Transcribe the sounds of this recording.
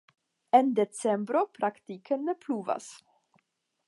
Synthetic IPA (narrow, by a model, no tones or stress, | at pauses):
end̪et͡sembɾopɾakt̪ikʰenepluva̰s